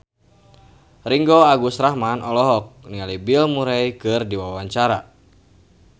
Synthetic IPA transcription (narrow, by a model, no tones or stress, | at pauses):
riŋɡɔaɡusɾahmanɔlɔɦɔk̚nialibilmuɾɛjkɨrdiwawaɲt͡ʃaɾa